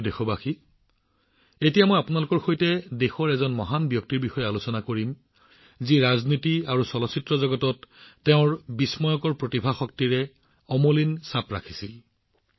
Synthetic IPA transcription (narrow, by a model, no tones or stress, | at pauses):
dexɔbaxi | etijamojapunalʊkɔɹxojtɛdexɔɹɛzɔnmɔɦanbjɔk̚tiɹbixɔjɛalusɔnakoɹim | ziɹaznitiaɹusɔlɔsitɹɔzɔɡɔtɔtːɛʊ̃ɹbismɔjɔkɔɹpɹotibʱaxɔk̚tiɹɛ | ɔmolinsapɹa̰kʰi̥sil